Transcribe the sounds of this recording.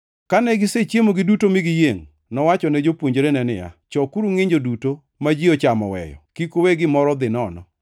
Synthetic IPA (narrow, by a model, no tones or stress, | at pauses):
kanɛɡɪset͡ʃjemoɡɪdutomɪɡɪjeŋ | nɔwat͡ʃɔnɛd͡ʒopwoɲd͡ʒɾenɛnɪ̰ja̰t͡ʃɔkuɾuŋɪɲd͡ʒoduto | mad͡ʒiɔt͡ʃamɔ̰wɛ̰jɔ̰kikoweɡɪmɔɾɔd̪ɪnɔnɔ